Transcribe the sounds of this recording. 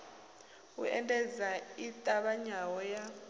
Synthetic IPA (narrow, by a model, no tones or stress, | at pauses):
ṵɛ̰ntʼɛzaitʼaɓaɲawɔja